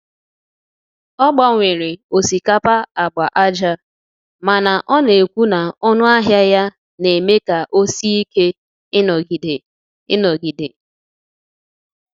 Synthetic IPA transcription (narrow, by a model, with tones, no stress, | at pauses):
ɔ˦ɡ͡ba˨ŋʷe˨ɾɪ˨o˨si˨ka˦pa˦a˨ɡ͡ba˨ʔa˦d͡ʒa˦ | ma˨na˨ʔɔ˦ne˨kʷu˦na˨ɔ˦nʊ˦a˦ɦja˦ja˦ | ne˨me˦ka˨ʔo˦si˦i˦ke˦ | ɪ˦nɔ˨ɡi˨de˨ | ɪ˦nɔ˨ɡi˨de˨